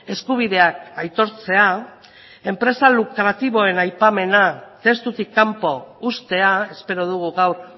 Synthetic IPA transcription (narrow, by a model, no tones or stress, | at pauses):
e̞skuβ̞iðe̞akajt̪o̞ɾt͡se̞a | e̞mpɾe̞salukɾat̪iβo̞e̞najpame̞nat̪e̞st̪ut̪ikːampo̞ust̪e̞ae̞spe̞ɾo̞ðuɣuɣawɾ